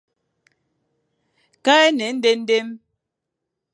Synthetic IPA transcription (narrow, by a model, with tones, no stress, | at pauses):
ka˦ɛ˦nɛ˨˦n̩˦de˦n̩˦de˦m